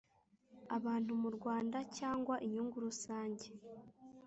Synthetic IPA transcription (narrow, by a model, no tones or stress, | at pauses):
aβaːn̥umuɾɡwaːndacaːŋɡwaʔiɲuːŋɡuɾusaːɲɟe